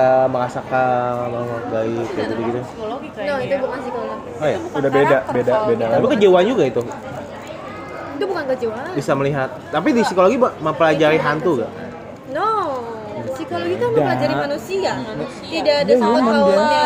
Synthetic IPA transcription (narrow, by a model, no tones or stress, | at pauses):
əməɾasakamamaak̚ɡaɪkjaɡit̪uɡit̪ukolɡinɔiubukansikoloɡiajaukudabedabedabedaapikəd͡ʒewaand͡ʒuɡait̪u | it̪ubukankəd͡ʒewabisaməliɦat̪̚ːap̬idisikoloɡibaməmpəlad͡ʒaɾiɦant̪uɡa̰ʔ | nɔ | sikoloɡit̪aməpəlad͡ʒaɾimmanusia | t̪idaːdaɡamaŋd͡ʒa